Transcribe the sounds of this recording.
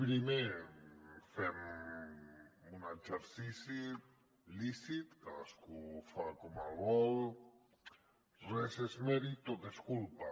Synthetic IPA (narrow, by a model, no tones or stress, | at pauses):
pɾime | fɛm | unaseɾsisi | lisit̪kaaskufakomaɣɔl | rɛsezmɛɾit̪od̪eskulpa